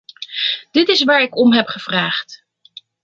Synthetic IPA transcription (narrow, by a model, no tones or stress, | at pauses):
d̥ɪtɪsʋaːɹɪkɔmɦɛpχəv̥raːχt